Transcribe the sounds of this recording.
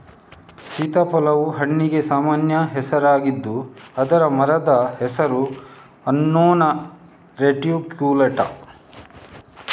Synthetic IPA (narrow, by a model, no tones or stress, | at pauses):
sit̪ɐpɔlɐʋuɦɐɳːiɡe̞saːmaːnjɐɦɛsɐɾaːɡid̪ːuɐd̪ɐɾɐmɐɾɐd̪ɐhɛsɐɾu | ɐnːoːnɐ | ɾeʈijukjuːlɐʈɐ̰